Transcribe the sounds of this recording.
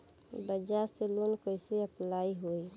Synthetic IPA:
bəd͡ʒaseloːnkoɪseəplaːiɦoi

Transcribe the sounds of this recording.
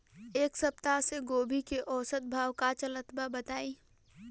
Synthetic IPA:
eːksəp̚t̪aseɡoːbʱikeʔɔːsət̪̚bʱaːwkat͡ʃələt̪babət̪aːiː

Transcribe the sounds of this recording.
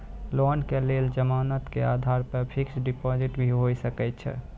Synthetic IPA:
lɔːnkeleld͡ʒəmaːnət̪keaːd̪ʱaːɾpəpʰɪksɖipɔd͡ʒɪʈbʱiɦosəkɛt̪t͡ʃʰɛ̰

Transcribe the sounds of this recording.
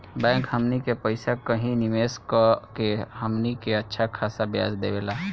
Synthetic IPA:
bɛ̃ːkɦəmnikepəɪsakəɦĩnɪmeːskkeɦəmnikeɐtːʃʰakʰaːsabja̰ːzd̪ḛːʋeːlaː

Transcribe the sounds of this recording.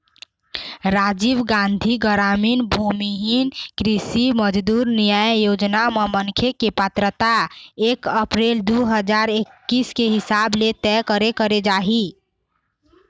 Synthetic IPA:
ɾad͡ʒibɡãnd̪ʱiɡəɾaminbʱumiɦinkɾisiməd͡ʒd̪uɾnijajjod͡ʒnamemənkʰekepət̪ɾət̪aekəpɾeld̪uɦəd͡ʒaɾekːiskeɦisablet̪ɛkəɾekəɾed͡ʒaɦi

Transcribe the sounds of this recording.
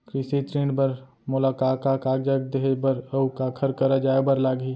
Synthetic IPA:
kɾɪsit̪ɾẽːɳɖbəɾ | mʊlaːkaːkaːkaːkd͡ʒəɡ̚d̪eɦebəɾəukakʰəɾkəɾəd͡ʒaːebəɾlaːɡi

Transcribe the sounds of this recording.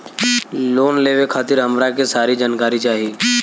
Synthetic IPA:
loːnleːʋekʰaːt̪ɪɾɦəmɾakesaːɾid͡ʒaːnkaːɾit͡ʃaːɦiiː

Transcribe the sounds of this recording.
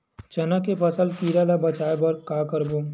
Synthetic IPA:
t͡ʃɐnakepɐsəlkiːɾalabɐt͡ʃaːebɐɾkaːkəɾboː

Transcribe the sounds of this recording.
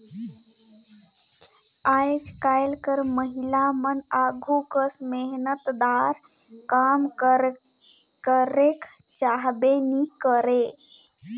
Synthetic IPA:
ajd͡ʒkajlkəɾməɦilamənaɡʱukəsmeɦnət̪d̪aɾ | kam | kəɾek | t͡ʃaɦbenikəɾe

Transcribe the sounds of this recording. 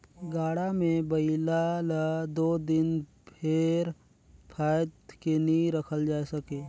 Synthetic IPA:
ɡaːɽamẽbəɪlaləd̪oːd̪ɪn | pʰɪɾ | pʰaːjt̪kenĩɾɐkʰəld͡ʒaːsɐkeː

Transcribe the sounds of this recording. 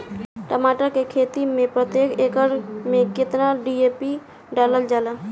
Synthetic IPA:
ʈəmaːʈakekʰeːt̪imẽpɾət̪jeːkʰeːkəɾmẽkɪt̪naɖiːeːpi | ɖaːləld͡ʒaːlaː

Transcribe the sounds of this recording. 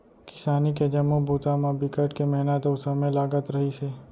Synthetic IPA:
kɪ̥saniked͡ʒəmobʱut̪amãbikəʈkemɛɦnat̪əusəmelaɡət̪ɾəɦit͡ʃʰe

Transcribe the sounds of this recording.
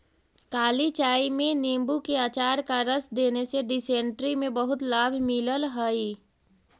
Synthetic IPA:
kaːlit͡ʃaːimẽneːmbukeaːt͡ʃaːɾkaɾəsd̪eːneseɖɪsẽːɳʈɾimẽbəɦʊt̪laːbʱmɪləlɦəi

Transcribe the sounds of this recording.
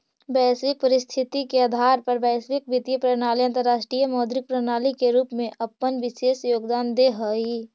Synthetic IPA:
bɛːsʋɪk̚pəɾɪst̪ʰɪt̪ikeəd̪ʱaːɾpɐɾbɛːsʋɪk̚bɪt̪ijəpɾənaːliə̃nt̪əɾːaːʃʈɾijəmɔːd̪ɾɪk̚pɾənaːlikeɾuːpmẽʔɐpːənʋɪʃeːsjoːɡd̪aːnd̪eɦɔːi

